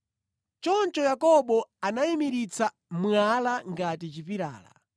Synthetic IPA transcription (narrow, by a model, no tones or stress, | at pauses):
t͡ʃɔnt͡ʃɔjakɔɓɔanaimiɾit͡sa | mwalaŋɡatit͡ʃipiɾa̰ːla̰